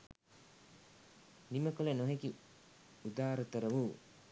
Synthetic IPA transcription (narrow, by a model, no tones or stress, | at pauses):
niməkolenoɦeki | ud̪aːɾət̪əɾəʋuː